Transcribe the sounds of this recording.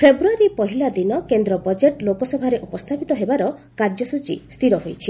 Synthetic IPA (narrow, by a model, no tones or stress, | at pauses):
pʰebɾuaɾipɔɦilad̪inɔkend̪ɾɔbɔd͡ʒeʈlokɔsɔbʱaɾeʔupɔst̪ʰapit̪ɔɦebaɾɔ | kaɾd͡ʒɔsut͡ʃḭst̪ʰiɾɔɦojt͡ʃʰi